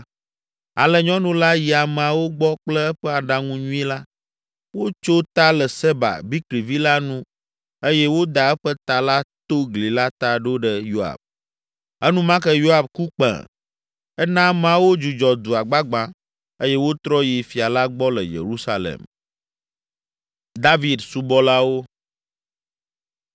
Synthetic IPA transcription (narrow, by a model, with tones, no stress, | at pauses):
a̰˨lɛ˨ɲɔ̃˦nũ˦la˦ji˨a˨m˨a˨wo˦ɡ͡bɔ˦k͡plɛ˦ɛ˦ɸɛ˦a˨ɖa˦ŋũ˦ɲũ˦i˦la˦ | wo˦t͡ʃo˦t̪a˦lɛ˨sɛ˦ba̰˨bi˦kɾi˨vi˦la˦nũ˦ | e˦jɛ˦wo˦d̪a˨ɛ˦ɸə˦t̪a˨la˦t̪o˦ɡli˨la˦t̪a˦ɖo˦ɖə˦jo˦a̰˨b̚ | ɛ˦nũ˦mã˦kə˦jo˦a˨bku˦k͡pɛ̰̃˨ | ɛ˦nã˦mã˦wo˦d͡ʒu˨d͡ʒɔ˨d̪u˨a˨ɡ͡ba˦ɡ͡bã˦ | e˦jɛ˦wo˦t̪ɾɔ˦ji˨fi˨a˨la˦ɡ͡bɔ˦lə˨jḛ˨ɾu˦sa˦lḛ˨m | d̪a˦vi˨d̪su˦bɔ˦la˦wo˦